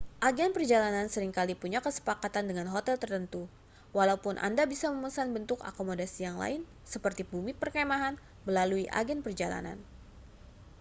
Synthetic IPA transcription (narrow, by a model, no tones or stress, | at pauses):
ʔaɡɛnpərd͡ʒalanansəɾiŋkalipuɲakəsə̥pakat̪andəŋanɦot̪ɛlt̪ərt̪ənt̪u | walaupʊnʔa̰ndabisaməməsanbənt̪ʊka̰komodasijaŋla̰ɪn | səpərt̪ibumipərkɛmaɦan | məlaluiʔa̰ɡɛnpərd͡ʒala̰na̰n